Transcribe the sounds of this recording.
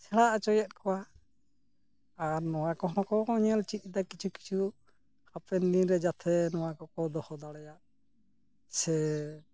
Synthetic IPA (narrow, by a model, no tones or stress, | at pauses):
sɛɭaʔat͡ʃɔjat̪̚ˀkɔwa | aɾnɔwakɔɦɔkɔkɔɲɛlt͡ʃit̪̚ˀd̪akit͡ʃʰuki̥t͡ʃʰu | hapɛnd̪ĩɾɛd͡ʒat̪ʰɛnɔwakɔkɔd̪ɔhɔd̪aɽɛjaʔ | sɛ